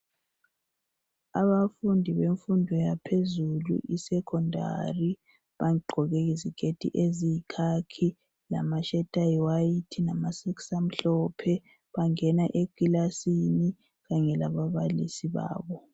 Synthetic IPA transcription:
aβafundʱiβeɱfundʱɔjapʰezulṵʔisɛkʰɔndʱa̰ri | βaɡ͡ǃʱɔɣeɣiziɡ̥ʱed̥ʱʼḭʔezikʰakʰi | la̰maʃɛtʼajwaitʰinamasɛksam̩ɬɔpʰɛ | βaŋɛnaʔekilasini | ɣaɲɛlaβaβalḭsiβa̰ːβɔ

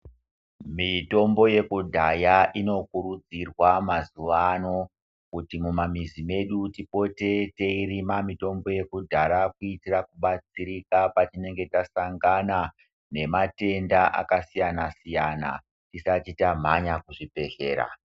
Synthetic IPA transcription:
mito̞mbo̞je̞kudʱajaʔino̞kuɾud͡zirwamazuʋano̞ | kutimumamizime̞ɗutipo̞te̞te̞irimamito̞mbo̞je̞kudʱaɾakuitirakuɓat͡siɾikapat͡ʃine̞ŋɡe̞tasaŋɡana | ne̞mate̞ndaʔa̰kasijanasijana̰ | tisat͡ʃitam̤aɲakuʐipe̞ɮe̞ːɾa̰

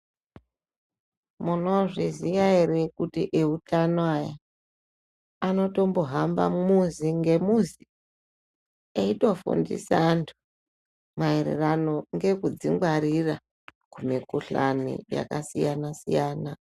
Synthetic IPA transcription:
muno̞ʐizijaerekutḭʔeutanoaja | ano̞to̞mbo̞ɦamba̰muziŋɡe̞muzi | eito̞fṵndḭsantʰu̥ | maeɾḛrano̞ŋɡe̞kud͡ziŋɡwaɾira | kumikuɬanḭja̰kasijanasijaːna

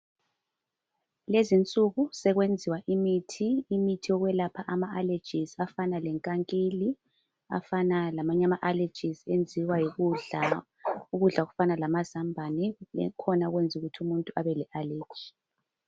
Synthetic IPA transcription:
lezint͡sʼuɣusɛɣwend͡zʱiwaʔimitʰiːmitʰiɔɣwɛlapʰaʔamaale̥d͡ʒ̥ʱizafanalɛŋkʼaŋkʼeli | a̰fanalamaɲamaʔale̥d͡ʒʱizend͡zʱiwajiɣuɮa | uɣuɮaɣufanalamazambʱanɛ̰kʰɔnaɣwend͡zʱuɣutʰiumuntʼua̰βɛlɛʔale̥ːd͡ʒ̥ʱi̥

